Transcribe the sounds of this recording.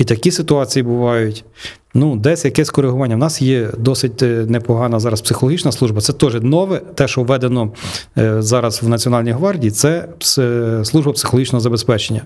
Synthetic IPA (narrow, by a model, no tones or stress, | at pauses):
it̪ɐkʲisɪt̪ʊɑt͡sʲijibʊʋɑjʊtʲ | nud̪ɛsʲjɐkɛsʲkɔɾeɦʊʋɑnʲːɐwnɑsjɛd̪ɔsɪt̚ʲnepɔɦɑnɐzɑɾɐspsɪxɔlɔɦit͡ʃnɐslˠuʒbɐt̪sɛt̪ɔʒɛnɔʋɛt̪ɛʃɔʋɛd̪enɔ | zɑɾɐzwnɐt͡sʲiɔnɑlʲnʲijɦʋɑrdʲiːt̪sɛpsslˠuʒbɐpsɪxlˠɔɦit͡ʃnɔɦɔzɐbespɛt͡ʃenʲːɐ